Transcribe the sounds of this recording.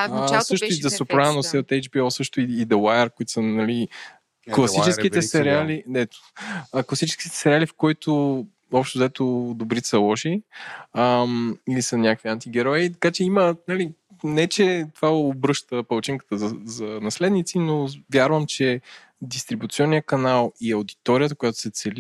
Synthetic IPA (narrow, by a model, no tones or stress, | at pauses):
sɤʃt̪ʊid̪ɐsopɾanosɛot̪ɛjd͡ʒbiɔsɤʃt̪ʊiːd̪ɐwajəɾkoit̪o̥sənɐli | klˠɐsit͡ʃɛskit̪ɛsɛɾialinɛt̪ː | klˠɐsit͡ʃɛ̥skʲi̥t̪ɛ̥sɛɾialifkɔjt̪o | ɔpʃt̪ʊzɐɛt̪od̪obɾit̪səlˠɔʃi | əmilisənʲakəkviant̪iɡɛɾɔit̪ɐkat͡ʃɛimənɐli | nɛt͡ʃɛt̪ovaoːbɾɤʃt̪əpɐlˠt͡ʃiŋkə̥t̪əzɐzɐnɐslɛd̪nit̪sinovjaɾvəmt͡ʃɛ | d̪ist̪ɾibut̪siɔnːijəkɐnalˠiɐwd̪it̪ɔɾiət̪əkʊjat̪ʊ̥sɛt̪sɛl